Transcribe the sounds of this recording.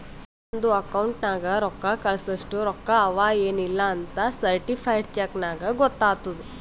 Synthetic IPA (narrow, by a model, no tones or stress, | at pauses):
s | nd̪uɐkɐwɳʈnaːɡɐɾɔkːakɐɭɐsɐʂʈuɾɔkːaɐʋaːjeːnilːɐːnt̪ɐsɐɾʈipʰɐjɖt͡ʃeknaːɡɐɡɔt̪ːaːt̪ud̪u